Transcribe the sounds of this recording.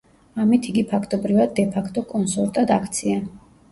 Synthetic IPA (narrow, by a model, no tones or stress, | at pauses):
amit̪ʰiɡipʰakʰt̪ʼɔbɾivad̪̚ːɛpʰakʰt̪ʼɔkʼɔnsɔɾt̪ʼad̪akʰt̪sʰia